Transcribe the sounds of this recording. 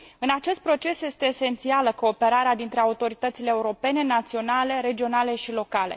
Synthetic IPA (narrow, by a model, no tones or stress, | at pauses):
ɨnat͡ʃe̞st̪̚pɾo̞t͡ʃe̞sje̞st̪eːse̞nt̪sialəko̞ːpe̞ɾaɾead̪int̪ɾe̞aut̪o̞ɾit̪ət̪sileːuɾo̞pe̞ne̞nat̪sio̞nale̞ɾe̞d͡ʒio̞nale̞ʃilo̞kale̞̰